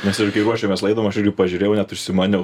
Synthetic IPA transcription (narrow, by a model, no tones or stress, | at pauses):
mʲɛsɪɾkɐɪɾuɔʃʲeːmʲɛslˠɐɪd̪oʋɔmɐʃjɪrɡʲɪpɐʒʲʊɾʲeːjɛʊnʲɛt̪ʊʃʲsʲɪmɑːnʲɛ